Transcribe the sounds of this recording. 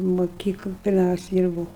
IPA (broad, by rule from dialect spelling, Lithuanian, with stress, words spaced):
moːˈkʲiːklˠ pʲɪrʲˈmʲɛʊsʲɛɪ ˈdʲiːrbuːʊ